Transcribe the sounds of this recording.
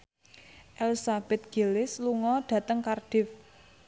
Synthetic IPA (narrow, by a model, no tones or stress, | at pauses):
ʔɛlsab̥ɛt̪̚ɡ̥e̤lɪsluŋɔɖ̥ä̤t̪əŋkarɖ̥ɪf